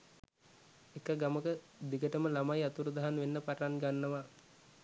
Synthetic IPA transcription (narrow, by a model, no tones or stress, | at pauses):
ekəɡaməkə | d̪iɡəʈəməlamajat̪uɾud̪aɦanʋenːəpaʈanɡanːəʋa